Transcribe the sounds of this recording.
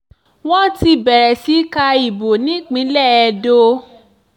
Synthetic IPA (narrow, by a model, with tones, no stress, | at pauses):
w̃ɔ̃˦ti˧bɛ˨ɾɛ˨si˨˦ka˧i˨bo˨nĩ˨˦k͡pĩ˨˦lɛ˦˨ɛ˧do˧